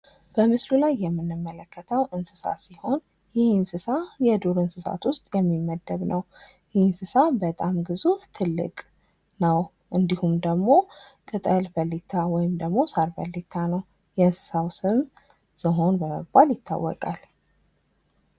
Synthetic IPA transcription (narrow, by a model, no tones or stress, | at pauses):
b̥əmɨsɾulajːɛmːɨnːɨmːələkːət̪ʰəwʔɨnsɨsa̰siho̞n | jɪhinsɨsajɛd̪uɾɨnsɨsa̰t̪wʊst̪ʼjɛmːimːəd̪ːəβnʔəw | jinsɨsabət̪ʼamɡɨzuft̪ʰɨlːɨ̰kʼ | nəw | ʔɨnd̪ihumd̪əɡmo̞kʼɨt̪ʼəlbəlːit̪ʰːawɔjɪmd̪əɡmo̞saɾbə̰lːit̪ʰanəw | jɛɨnsɨ̥sawsɨm | səɦo̞nbəmə̰bːaljɪt̪ʰːa̰wːɔ̰kʼa̰l